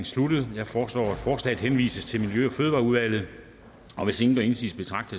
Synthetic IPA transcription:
nslud̥ð̩ˠjɑ̈ɪfɒːslɒ̰ːæd̥fɒːslɛ̰ð̩ˠhenʋḭːsəst͡sʰe̝lmiljøɒ̽føð̞ˠʋɑ̈ːuðˠʋæl̰ð̞̩ˠ | ɒ̽ʋe̝se̝ŋn̩d̥æe̝nsḭːsb̥e̝t͡sʰʁɑ̈ɡ̥d̥ə

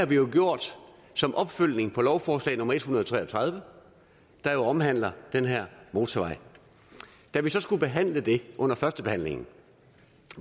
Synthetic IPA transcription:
hɑ̈ʋijo̝ɡ̥jo̝ɐ̰d̥ | sɒ̽mʔɒ̽b̥føl̰ne̝ŋpʰɒ̽lɒʊfɒːslɛ̰ɪ̰nɔ̽mɐe̝d̥hunɐðˠɒt͡sʰʁɛ̰ːɒt͡sʰʁɑð̞ˠʋə | d̥ɑ̈jo̝ɒ̽mɦæn̰lɐd̥enɦæɐ̰mo̝ːt͡sʰɐʋɑ̈ɪ̰ | d̥æʋisɒ̽sɡ̥ub̥e̝ɦæn̰ləd̥e̝ʔɔ̽n̰ɐfɶɐsd̥əb̥e̝hæn̰le̝ŋn̩

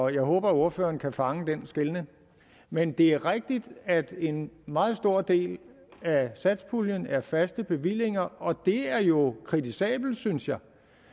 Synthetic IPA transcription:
ɒjɑ̈ɪɦɔ̰ːb̥ɐo̝ɐfø̰ːɐn̩kʰæfɑ̈ŋəd̥ensɡ̥elnə | mend̥e̝æɐʁeɡ̥̚d̥id̥æd̥e̝nmɑ̈ːð̞̩ˠsd̥o̝ɐ̰d̥e̝̰ːl | æsæd̥spʰuljənæɐfæsd̥əb̥e̝ʋil̰e̝ŋɐɒ̽d̥e̝æɐjo̝kʰʁidisɛ̰ːb̥l̩d̥synsjɑ̈ɪ

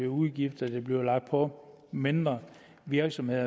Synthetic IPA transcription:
iuðˠɡ̥ifd̥ɐd̥eb̥liʊlɑ̈ɡ̥d̥̚pʰɒ̽ | me̝nd̥ʁɐ | ʋiɐɡ̥sɒ̽mhe̝ð̰ˠɐ

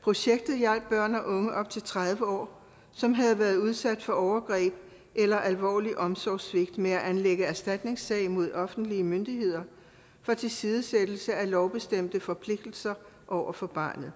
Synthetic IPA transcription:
pʰʁo̝ɕeɡ̥̚d̥ð̞̩ˠjæl̰b̥̚b̥ɶɐ̰nɒ̽ʔɔ̽ŋəʔɒ̽b̥̚t͡sʰe̝lt͡sʰʁað̞ˠʋəɒ̰ː | sɒ̽mɦæð̞̩ˠʋæːɐð̞̩ˠuð̞ˠsæd̥fɒ̽ɒʊɐɡ̥ʁɛ̰ːb̥ | ʔelɐʔælʋɒ̰ːliʔɒ̽msɒʊsʋe̝ɡ̥d̥meæʔænleɡ̥əæɐsd̥æd̥ne̝ŋsɛ̰ɪmo̝ð̞̰ˠɒ̽fn̩d̥liəmønd̥ihe̝ð̞̰ˠɐ | fɒ̽t͡sʰe̝lsiːð̞ˠəsed̥l̩səælɒʊb̥e̝sd̥em̰d̥əfɒ̽pʰle̝ɡ̥d̥l̩sɐ | ʔɒʊɐfɒ̽b̥ɑ̈ːnð̩ˠ

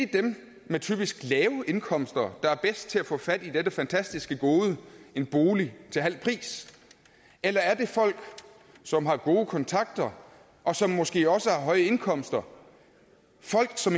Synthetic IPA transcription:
id̥em | met͡sʰy̰ːb̥isɡ̥lɛːʊəʔe̝nkʰɒ̽m̰sd̥ɐd̥ɑ̈æɐb̥esd̥̚t͡sʰe̝æfɔ̰̽ːfæd̥id̥edəfænt͡sʰæsd̥isɡ̥əɡ̥o̝ːðˠəe̝nb̥o̝ːlit͡sʰe̝lɦæl̰pʰʁḭːs | elɐæɐd̥e̝fɒ̽l̰ɡ̥ | sɒ̽mɦɑ̈ɡ̥o̝ːəkʰɒ̽nt͡sʰɑ̈ɡ̥̚d̥ɐ | ʔɒ̽sɒ̽mːɒ̽sɡ̥e̝̰ːɒ̽səhɑ̈ɦɒ̽ɪəe̝nkʰɒ̽m̰sd̥ɐ | fɒ̽l̰ɡ̥sɒ̽m

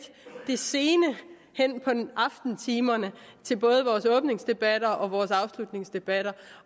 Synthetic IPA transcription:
d̥e̝se̝ːnə | hen̰pʰɒ̽ʔɑ̈fd̥n̩t͡sʰiːmɐnət͡sʰe̝lb̥ɔ̽ːð̞ˠəʋɒːsɔ̽ːb̥ne̝ŋsd̥e̝b̥æɾ̥ɐʔɒ̽ʋɒːsɑ̈ʊslud̥ne̝ŋsd̥e̝b̥æɾ̥ɐ

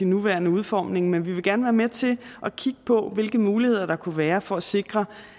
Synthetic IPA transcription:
inːuʋæɐnəuð̞ˠfɒ̰ːmne̝ŋmenʋiʋe̝ɡæɐnəʋæːɐmet͡sʰe̝lʔɒ̽kʰiɡ̥ə̥pʰɒ̽ʋe̝lɡ̥əmuːlihe̝ð̰ˠɐɾ̥ɑ̈kʰuʋæːɐfɒ̽æse̝ɡ̥ʁɐ

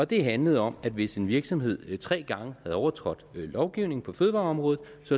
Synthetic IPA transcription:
ɒ̽d̥e̝ɦænləð̞̩ˠɒ̽mæd̥ʋe̝se̝nʋiɐɡ̥sɒ̽mhe̝ð̞̰ˠt͡sʰʁɛ̰ːɡ̥ɑ̈ŋəhæðˠɒʊɐt͡sʰʁɒ̽d̥lɒʊɡ̥iʊne̝ŋ̩pʰɒ̽føðˠʋɑ̈ːɒ̽mʁɔ̽ːð̩ˠ | sɒ̽

